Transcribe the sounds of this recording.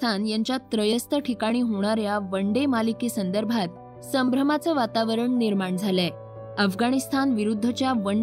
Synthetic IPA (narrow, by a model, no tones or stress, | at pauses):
anjaɲt͡ɕjat̪ɾəjəst̪ʰəʈʰikaɽ̃iːɦoɽ̃aɾjaʋəɳɖemalikesənd̪əɾbʱat̪̚ | səmbɾəmat͡səːʋat̪aʋəɾəɳniɾmaɳd͡zʱalɛ | əfɡaɽ̃ist̪ʰanʋiɾud̪ʱːət͡ɕjaʋəɳ